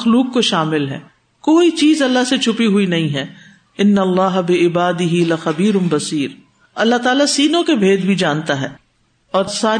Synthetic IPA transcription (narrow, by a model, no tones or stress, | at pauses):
xluːkːoʃaːmɪlɦɛ̰ː | koːit͡ʃiːzɐlːaɦset͡ʃʰʊpiɦuinɐɦĩɦɛː | ɪnːɐlːaːɦɐbɪɪbaːd̪ɪɦilɐxɐbiːɾʊnbɐsiːɾ | ɐlːaɦt̪aːlasiːnõkebʱeːd̪bʱid͡ʒãːnt̪aɦɛː | ɔːɾsaː